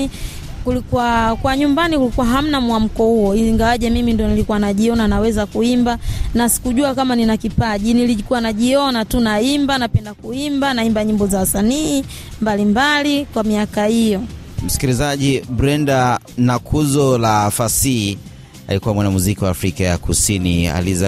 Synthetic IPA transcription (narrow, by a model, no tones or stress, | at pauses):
kulikuwakwaɲumbanikulikuwaɦam̩namuam̩kɔhuɔiiŋɡawaʄɛmimindiɔnilikuwanaʄiɔnanawɛzakuimbanasi̥kuʄuakamaninakipaʄinilikuwanaʄiɔnatunaimbanapɛndakuimbanaimbaɲimbɔzawasanii | mbalimbalikwamiakaijɔ | m̩si̥kilizaʄibɾɛnda | nakʰuzɔlafasi | a̰likuwamwanamuzikiwaːfɾikaja̰kusinia̰liza